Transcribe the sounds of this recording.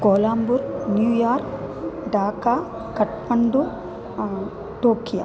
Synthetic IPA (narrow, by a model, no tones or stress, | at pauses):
koːlaːmbuɾnjuːjaːɾkɖaːka | kːɐʈpɐɳɖu | ʈoːkija̰